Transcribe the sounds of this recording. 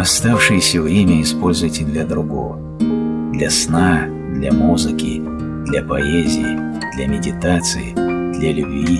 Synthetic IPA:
ɐst̪afʂɨjɪsʲəvɾʲemʲəɪspo̞lʲzʊvjɪtʲɪd̪lʲɐd̪ɾʊɡo̰və | d̪lʲɐsna | d̪lʲa̰muzɨkʲɪ | d̪lʲɐpɐezʲɪjɪ | d̪̥lʲɐmʲɪdʲɪt̪at̪sɨjɪ̰d̪̥lʲɐlʲʊbvʲi

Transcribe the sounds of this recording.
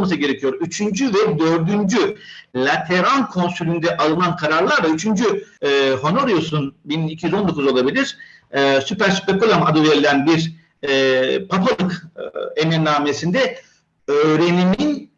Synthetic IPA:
mas̬ɯɟe̞ɾecʰijo̞ɾyt͡ʃʰynd͡ʒyvɛd̪ø̞ɾd̪ynd͡ʒylʲat̪ʰe̞ɾankʰo̞nsylʲynd̪ɛʔalˠɯnankʰaɾaɾlˠaɾlˠayt͡ʃʰynd͡ʒyɦo̞no̞ɾijosunbinicʰijyzo̞nd̪o̞kʰuzo̞lˠabilʲiɾ̥ | ɛsypæɾsy̥pekulʲˠamad̪uveɾlʲænbiɾ | pʰapalˠɯkeninːaːmesind̪ɛ | øːɾe̞nimin

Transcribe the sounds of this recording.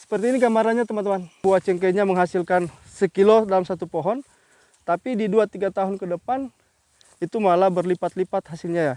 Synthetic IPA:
sə̥pərt̪iːnikamaɾaɲat̪əmant̪əmanbuat͡ʃɛŋkɛɲaməŋɦasilkansəkilodalamsat̪upoɦɔn | t̪apididuat̪iɡat̪aɦʊnkədəpan | it̪umalabərlipat̪lipat̪̚hasɪlɲaja

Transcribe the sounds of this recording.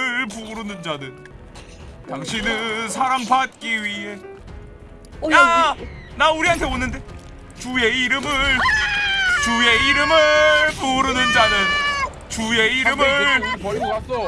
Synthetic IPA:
ɭpuɾɯnɯnd͡ʑadɯn | taŋɕʰinɯsʰaɾampat̚k͈iɥiɦe̞ | ja | nauɾiɦantʰe̞onːɯnde̞ | t͡ɕue̞iɾɯmɯɭ | t͡ɕue̞iɾɯmɯɭpuɾɯnɯnd͡ʑadɯn | t͡ɕue̞iɾɯmɯ

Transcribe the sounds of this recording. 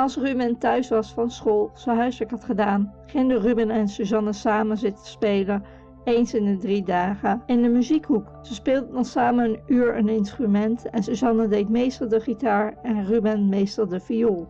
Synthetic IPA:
ɑlˠsrybɛntœɥsʋɑsfɑnsχolˠsəɦœɥstəkɦɑtχədaːnχɪndərybɪnɛnsuzɑnəsaːməzɪtə̥spejlə | ejnsɪndədridaːχəɪndəmyzikɦuksəspɪːlˠdənɔsaːmənənyːɹə̰nɪnstrymɛntɛnsuzɑnədejtmejstəlˠdəχitaːɹɛnrybɛnmejstəlˠdəfijoːlˠ

